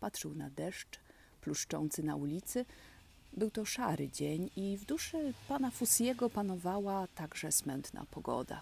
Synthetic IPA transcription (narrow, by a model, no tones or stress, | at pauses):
pat̪ʂɛwnad̪ɛʂt͡ʂ | pluʂt͡ʂɔ̰nt̪sɘna̰ulʲit̪sɘ | bɘwt̪ɔʂa̰ɾɘ̰d͡ʑeɲivd̪uʂɛpanafusjɛɡɔpanɔvawat̪aɡʐɛsmɛnt̪na̰pɔɡɔ̰d̪a̰